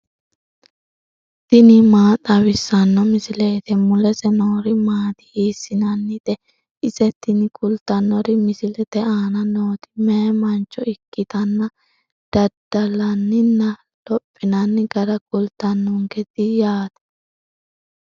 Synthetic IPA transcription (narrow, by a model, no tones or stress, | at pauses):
t̪ɪnɪmaːt̪ʼɐwɪsːɐnːɔmɪsɪle̞ːt̪ɛmʊlɛsɛnoːɾɪmaːt̪ɪ̥iːsːɪnɐnːɪd̪ɛ | ɪsɛt̪ɪnɪkʼʊlt̪ːɐnːɔɾɪmɪsɪlɛt̪ɛaːnɐnoːt̪ɪ̥mɛmɐnt͡ʃːɔɪkːɪt̪ɐnːɐ | d̪̥ɐd̪ɐlɐnːɪnːɐ | lɔpʼːɪnɐnːɪɡɐɾɐkʼʊlt̪ːɐnːʊŋɡɛd̪ɪjaːt̪ɛ̥